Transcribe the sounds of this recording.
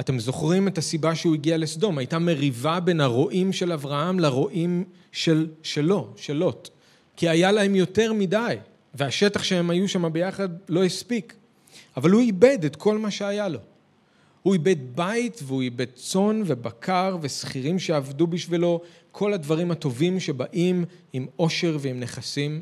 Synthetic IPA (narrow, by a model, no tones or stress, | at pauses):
ate̞mzo̞χʁimetasibaʃeuiɡialesdo̞majtame̞ʁivabe̞nhaʁo̞ʔimʃe̞lavʁahamlaʁo̞ʔim | ʃe̞lʃelo̞ʃelo̞t | kiajalahe̞mjo̞te̞ʁmidaj | ve̞aʃe̞taχʃehe̞majuʃamabe̞jaχadlo̞hispik | avalhuibe̞detkʰo̞lmaʃe̞ajalo̞ | huibe̞dbaitveuibe̞d̚t͡so̞nve̞bakʰaʁvesχiʁimʃeavdubiʃvilo̞ | kʰo̞ladvaʁimato̞vimʃe̞baʔimimo̞ʃe̞ʁveimne̞χasim